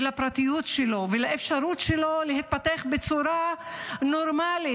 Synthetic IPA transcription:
lapʁat̪ijutʃelo̞velaʔefʃaɾut̪ʃelo̞leɦit̪̚pat̪eaχbet͡suɾano̞ɾmali

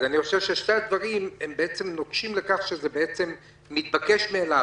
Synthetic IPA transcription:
aniχoʃevʃeʃtead̪vaʁimembeet͡se̞mno̞ɡʃimle̞kaχʃezebeet͡se̞mː | it̪̚bake̞ʃmeːla

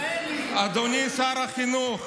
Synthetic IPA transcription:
ad̪onisaːɾaxino

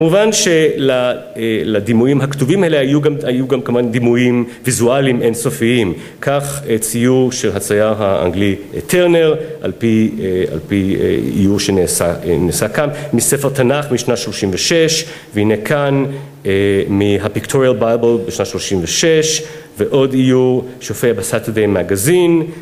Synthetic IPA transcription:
kamuvanʃela | lad̪imujimɦaktuvimaelehajuɡamajuɡamkamand̪imujim | vizualimʔensofiim | kʰaχet͡sijuʁʃelɦat͡sajaʁɦaa̰ŋɡliet̪ʰeʁneʁʔa̰lpia̰lpḭḭjuʁʃenesanesakamːisefeʁt̪anaχmiʃnatʃloʃimveʃeʃ | vehinekʰan | emiɦapiktʰoʁialbajbelbeʃnatʃloʃimveʃeʃ | veʔo̞dijuʁʃofejabesat̪ed̪ejmeaɡazin

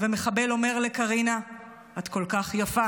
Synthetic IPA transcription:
vemeχabe̞lo̞me̞ʁle̞kaʁina | atko̞lkaχjafa

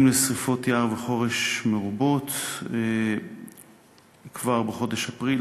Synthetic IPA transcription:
mlesʁifo̞t̪jaʁveχo̞ʁeʃmeʁubo̞t̪e | kvaʁbeχo̞d̪eʃapʁi

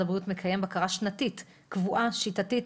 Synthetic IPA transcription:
abʁutmekʰajembakaʁaʃnatit | kvuʔaʃitatit

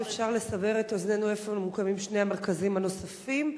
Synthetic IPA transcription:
efʃaʁle̞sabe̞ʁetoznenuefemukamimʃnehameʁkazimhano̞safim

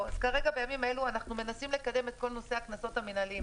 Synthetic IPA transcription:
azkaʁe̞ɡabejamimae̞luanaχnume̞nasimle̞kad̪e̞me̞t̪̚ko̞lno̞se̞aknaso̞taminalim

